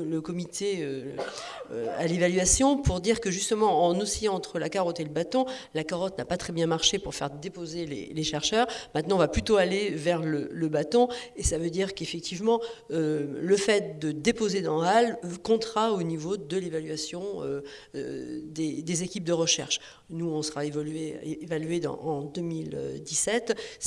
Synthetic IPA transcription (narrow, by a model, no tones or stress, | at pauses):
ləkɔmit̪ʰeø | øa̰levalɥasjɔ̃puʁd̪iʁkəʒyst̪əmɑ̃ɑ̃nosijɑ̃ɑ̃t̪χəlakaʁɔt̪eləbat̪ɔ̃lakaʁɔt̪napat̪χɛbjɛ̃maʁʃepuʁfɛ̰ʁd̪epozelḛleʃɛʁʃœːʁmɛ̃t̪nɑ̃ɔ̃vaplyt̪oalevɛʁlələbat̪ɔ̃esavød̪iʁkefɛk̚t̪ʰivmɑ̃øləfɛt̪̚d̪əd̪epozed̪ɑ̃alkɔ̃t̪χaonivod̪əlevalɥasjɔ̃ø̰ | d̪ed̪ezekʲip̚d̪əʁəʃɛ̰ʁʃ | nuɔ̃səʁaevlɥeevalɥeɑ̰̃ɑ̃d̪əmilø̰d̪isɛt̪